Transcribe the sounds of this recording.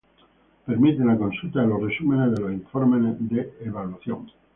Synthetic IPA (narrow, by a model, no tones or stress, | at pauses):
peɾmit̪enako̞nsult̪aelo̞sresumenezðelosiɱfo̞ɾmened̪eːβ̞alwaθjo̰ŋ